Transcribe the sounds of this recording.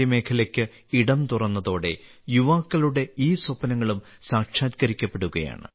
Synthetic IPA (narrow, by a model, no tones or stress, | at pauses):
ɐme̞ːkʰɐlɐkʲːɨ | iɽɐmt̪urɐnːɐðo̞ːɽe̞̰ | juʋaːkːɐluɽe̞iːswɐpːɐnɐŋːɐɭum | saːkʂjaːd̪̚kɐɾikʲːɐpːeɽuɣɐja̰ːɳɨ̰